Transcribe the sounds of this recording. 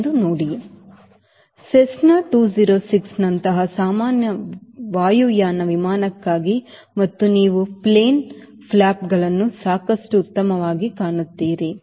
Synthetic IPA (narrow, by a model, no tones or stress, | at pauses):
d̪unoːɽi | sesnaːʈuːd͡ʒiɾoːsiksnɐnt̪ɐɦɐsaːmaːnjɐʋaːjujaːnɐʋimaːnɐkːaːɡi | mɐt̪ːuniːʋupleːn | pʰlaːpɡɐɭɐnːusaːkɐʂʈuːt̪ːɐmɐʋaːɡikaːɳut̪ːiːɾe